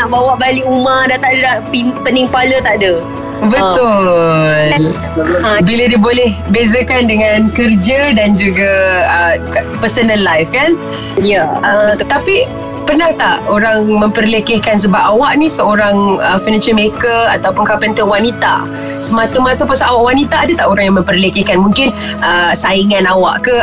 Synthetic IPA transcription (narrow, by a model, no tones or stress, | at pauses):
naʔbawaʔbaliʔumadat̪aʔdapipəniŋpalət̪aʔdə | bətt̪ʊ | l | əbilədiəbolɛhbezəkandəŋankərd͡ʒədand͡ʒuɡaəkpərsənəlːajfkan | jəət̪api | pərnaht̪aʔoɾaŋməmpərlekɪhkans̬əbapawaʔnĩsəoɾaŋəfinat͡ʃəlmekəat̪awpʊnkapənt̪əwanit̪a̰ | səmat̪əmat̪apasaawaʔwanit̪aːdət̪aʔoɾaŋjaŋmə̃mpəɾlekɪhkanmũŋkɪn | ʔəsaiŋãnawaʔkə